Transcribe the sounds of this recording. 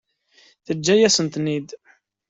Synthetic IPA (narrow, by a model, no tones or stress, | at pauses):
θəd͡ʒːæjæsənt̪nid̪